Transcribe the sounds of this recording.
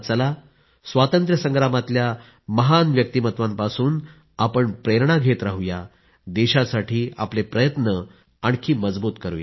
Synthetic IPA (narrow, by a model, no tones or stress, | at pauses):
t͡səla | sʋat̪ənt̪ɾjəsə̃ŋɡɾamat̪lja | məɦanʋjək̚t̪imət̪ʋampasuːn | apəɳpɾeɾɳaɡʱet̪ɾaɦuja | d̪eɕasaʈʰiːa̰plepɾəjət̪nə | aɳkʰiːməd͡zbuːt̪kəɾuja̰